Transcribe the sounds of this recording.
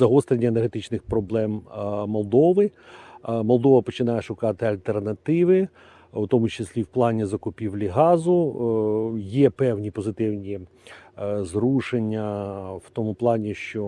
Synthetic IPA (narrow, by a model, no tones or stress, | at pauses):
zɐɦɔst̪ɾʲenʲːɐenerɦet̪ɪt͡ʃnɪxpɾɔblˠɛmmɔlˠd̪ɔʋɪ | mɔlˠd̪ɔʋɐpɔt͡ʃɪn̪ɑjɛʃʊkɑt̪ɪɐlʲt̪ernɐt̪ɪʋɪ | ʊt̪ɔmʊt͡ʃesʲlʲiwplˠɑnʲizɐkʊpʲiʋlʲiɦɑzʊ | jɛpɛwnʲipɔzɪt̪ɪwnʲi | zɾuʃenʲːɐwt̪ɔmuplˠɑnʲiʃt͡ʃɔ